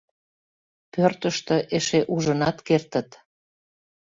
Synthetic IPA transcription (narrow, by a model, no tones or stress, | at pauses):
pørt̪əʃt̪əʔeʃeʔuʒənɑt̪kert̪ə̆t̪